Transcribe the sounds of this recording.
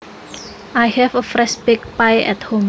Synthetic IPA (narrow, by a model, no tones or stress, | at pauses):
ajhɛvəfɹɛʃbɪk̚pajɛ̰thõm